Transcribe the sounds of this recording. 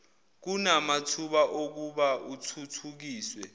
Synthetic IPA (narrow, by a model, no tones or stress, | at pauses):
k̬unamatʰuɓaʔok̬uɓautʰutʰuk̬iːswɛ